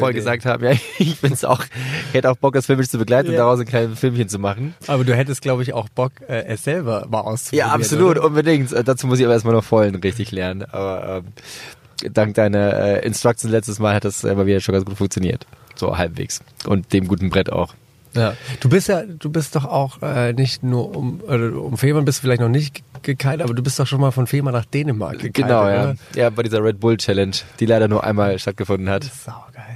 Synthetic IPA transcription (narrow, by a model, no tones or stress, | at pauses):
fɔəɡəzaːk̚tha̰ːbm̩jaːɪçfɪnsʔa̰ʊxɪçhɛtəaʊxb̥ɔk̚d̥asfɪlmɪʃt͡subəɡlaɪtn̩ʊnd̥aʁaʊsɪnkʰaɪnfɪlmçənt͡sumaχn̩ʔʔaːbɐduːɦɛtəst̚ɡ̥laʊbəɪça̰ʊxb̥ɔkɛːʔɛsz̥ɛlbɐmaːlʔa̰ʊst͡subjaːʔapizzoluːtʔʊnbədɪŋtʔɛːdaːt͡suːmʊs̬tɪçabɐeːɐstmalnɔfɔlənʁɪçtɪçlɛɐnənʔa̰ːbɐʔɛ̰ːm | d̥aŋk̚d̥aɪnɐʔɛ̰ːʔɪ̰nstʁ̥ak̚t͡snlɛt͡stəsmaːlhat̚d̥asʔɛ̰maːviːdɐʃonɡant͡sɡ̥uːtfʊŋk̚t͡sjoniːɐtz̥o̰ːhalpv̥ḛːksʔʊ̰nt̚d̥eːmɡuːtn̩bʁɛta̰ʊx | jaːd̥uːbɪstjaːd̥uːbɪst̚d̥ɔχaʊxʔɛːnɪçtnuːɐʔʊmʔoːdɐdṵːʔʊmfeːmɐnbɪstu̥fɪlaɪçtnɔχnɪçtɡ̥əkʰaɪtʔaːbɐduːbɪstd̥ɔχxʃoːnmaːlfɔnfeːmanaːχd̥eːnəma̰ɐ̥ɡ̥əanaʊjaːjaːbaɪdiːzɐʁɛt̚bʊlt͡ʃɛlɛnʃd̥iːlaɪɾɐnuːɐʔa̰ɪnmaːlʃtat̚ɡ̥əfʊndn̩hatz̥aʊɡ̥aɪl